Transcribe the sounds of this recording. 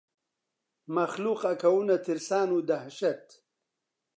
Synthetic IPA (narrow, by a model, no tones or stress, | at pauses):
mɐxluːqɐkɐwunɐt̪ʰiɾsaːnuːd̪ɐhɕɐt̪